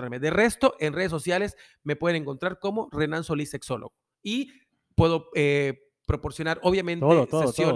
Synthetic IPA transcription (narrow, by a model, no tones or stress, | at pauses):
ɾaɾmeðere̞st̪o̞ʔenreðes̬o̞sjale̞s | me̞pweðeneŋkont̪ɾaɾko̞mo̞re̞nanso̞lise̞kso̞lo̰ɣo | i | pwe̞ðo̞e | pɾo̞po̞ɾsjo̞naɾoβjamẽnt̪oeðoesjo